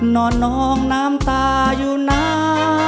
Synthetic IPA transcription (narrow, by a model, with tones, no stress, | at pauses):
nɔː˧˩nːɔ˧˦ŋnaː˦˥mt̪aː˧ | juː˧na˧˥